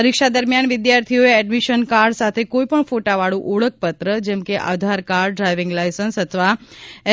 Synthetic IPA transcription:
əɾikʃad̪əɾmjanʋɪd̪jaɾt̪ʰijoeɛɖmiʃənkaɾɖsat̪ʰekoipəɳfoʈaʋaɭũʔuɭək̚ʰpət̪ɾəd͡ʒɛmkeʔa̰d̪ʱaɾkaɾɖɾajʋɪ̃ŋɡlajsənsɦət̪ʰəʋaɛ

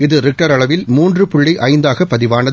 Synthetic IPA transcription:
ɪðɯɾɪk̚ʈɐɾɐɭɐʋɪlmuːndrɯpʊɭːiʔɐɪnd̪aːɣɐpːɐðɪʋaːnɐ

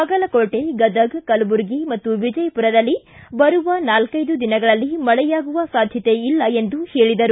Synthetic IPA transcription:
ɐɡɐlɐkoːʈeɡɐd̪ɐɡkɐlbuɾɡimɐt̪ːuʋid͡ʒɐjpuɾɐd̪ɐlːi | bɐɾuʋɐnaːlkɐjd̪ud̪inɐɡɐɭɐlːimɐɭɛjaːɡuʋɐsaːd̪ʱjɐt̪e̞ilːɐe̞nd̪uheːɭid̪ɐɾu

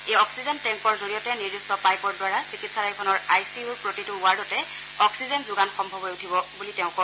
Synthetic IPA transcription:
ejɔksizɛntɛŋkɔɹzoɹijɔtɛniɹdistɔpajkɔɹdwaɹasikitsalajkʰɔnɔɹajsiuɹpɹotitʊːaɹdɔtɛ | ɔksizɛnzʊɡanxɔmbʱɔbɔjutʰibɔbulitɛʊ̃kɔ

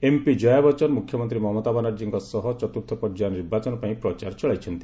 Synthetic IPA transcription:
empid͡ʒɔjabɔt͡ʃɔnmukʰjɔmɔnt̪ɾimɔɦmɔt̪abanaɾd͡ʒiŋkɔsɔɦɔt͡ʃɔt̪uɾt̪ʰɔpɔɾd͡ʒajniɾbat͡ʃɔnɔpaĩpɾɔt͡ʃaɾt͡ʃɔɭajt͡ʃʰɔnt̪i̥

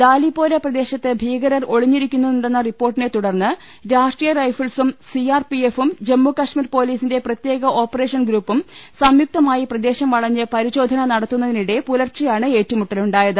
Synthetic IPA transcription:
d̪aːlipːo̞ːɾɐprɐd̪e̞ːɕɐt̪ːebʱiːɡɐɾɐro̞ɭiɲːiɾikʲːunːuðuɳɖe̞nːɐripːo̞ːrʈːine̞t̪uɽɐrnːɨ | ɾaːʂʈriːjɐrɐjfɐɭsumsiaːrpiefumd͡ʑemːukɐʂmiːrpo̞ːliːsinde̞prɐt̪je̞ːɣɐʔo̞ːpːɐre̞ːʂɐnɡɾuːpːumsɐmjuk̚t̪ɐmaːjiprɐd̪e̞ːɕɐmʋɐɭɐɲːɨpɐɾiɕo̞ːd̪ʱɐnɐnɐɽɐt̪ːunːɐðiniɽe̞pulɐrt͡ɕːɐjaːɳɨe̞ːtːumuʈːɐluɳɖaːjɐðɨ

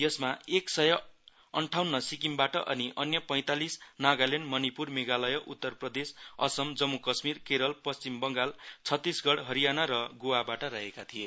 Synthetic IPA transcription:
jʌsmaeksʌjʌ | ʌɳʈʰawnːʌsik̬imbaʈʌʔʌniʔʌnjʌpʌj̃t̪alisnaɡalenɖmʌnipurmeɡalʌjʌʔut̪ːʌrprʌd̪esʌ̰sʌmd͡zʌmːukʌsmirkeɾʌlpʌst͡simbʌŋɡalt͡sʰʌt̪ːisɡʌɽɦʌɾijanaɾʌɡowabaʈʌɾaɦekat̪ʰije

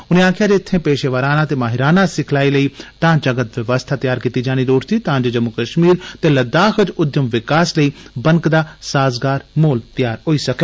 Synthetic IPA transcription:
ʊnẽaːkʰjaːd͡ʒet̪ʰːẽːpeːʃeʋəːɾaːnaːt̪eːmaːɦɪɾaːnasɪkʰlaːiːləiːʈãːt͡ʃəɡət̪ʋjəʋəst̪ʰaːt̪jaːɾkiːt̪id͡ʒaːñid̪oːʈʰt̪iːt̪ãːnd͡ʒed͡ʒəmukəʃmiːɾt̪eːləd̪aːxəd͡ʒʊd̪jəmʋɪkaːsləiːbəŋkd̪aːsaːzɡaːɾmoːlt̪jaːɾɦoːiːsɐkeː

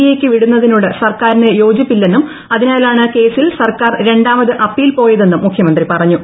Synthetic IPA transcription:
je̞ːkʲːɨʋiɽunːɐðinuːɽesɐrkaːɾinejo̞ːd͡ʑjipːilːe̞nːum | ɐðinaːlaːɳɨke̞ːsilsɐrkaːrɾe̞ɳɖaːmɐðɨʔɐpːiːlpo̞ːjɐðe̞nːumːukʰjɐmɐnd̪ripɐrɐɲːu

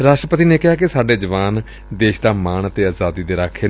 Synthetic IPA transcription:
ɾaːʃʈɾəpət̪iːneːkɪɦaːkɪsaːɖeːd͡ʒəʋaːn | d̪eːʃd̪aːmaːɳət̪eːaːzaːd̪iːd̪eːɾaːkʰeː

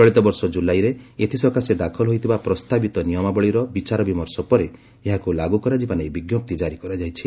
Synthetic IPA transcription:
t͡ʃɔɭit̪ɔbɔɾsɔd͡ʒulajɾeet̪ʰisɔkʰased̪akʰɔlɦojt̪ʰibapɾɔst̪abit̪ɔnijɔmabɔɭiɾɔbit͡ʃaɾɔbimɔɾsɔpɔɾe | eɦakulaɡukɔɾad͡ʒimanebiɡjop̚t̪id͡ʒaɾikɔɾad͡ʒajt͡ʃʰi

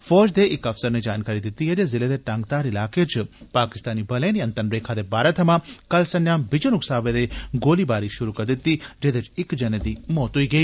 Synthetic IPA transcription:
fɔːd͡ʒd̪eʔɪkɐfsəɾned͡ʒaːnkaːɾid̪ɪt̪ːiɦed͡ʒezɪled̪eʈãːŋɡ̚t̪aːɾɪlaːket͡ʃʰpaːkɪst̪aːnibʱɐleniɐnt̪ɐnɾeːkʰad̪ebaːɾɐt̪ʰɐmãkɐlsɐnjaːmbɪd͡ʒonuksaːʋed̪eɡoːlibaːɾiʃʊɾukɐɾd̪ɪt̪ːid͡ʒed̪et͡ʃɪkd͡ʒɐned̪imɔːt̪uiɡɐi

